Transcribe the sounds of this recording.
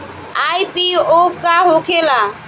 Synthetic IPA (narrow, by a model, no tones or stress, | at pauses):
aːipiːoːkaːɦoːkʰeːlaː